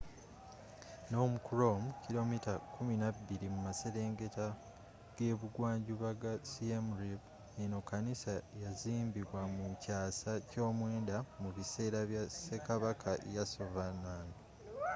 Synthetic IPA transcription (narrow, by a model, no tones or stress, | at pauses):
no̞ːmukuɾo̞mucilo̞mitakuminabːiɾimumase̞ɾe̞ːŋɡe̞ta | ɡ̥e̞βuɡwaːɲɟuβaɡasiemɾeb | nino̞kːanisajaziːmbiβwamucaːsaco̞ːmwe̞ːndamuβise̞ːɾaβjase̞kaβakʰaʔḛjaso̞vanaːno